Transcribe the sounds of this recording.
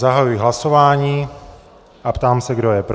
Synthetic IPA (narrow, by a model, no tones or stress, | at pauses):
aɦajujɪɦlasovaːɲiː | ʔapt̪aːmsɛɡdojɛpɾ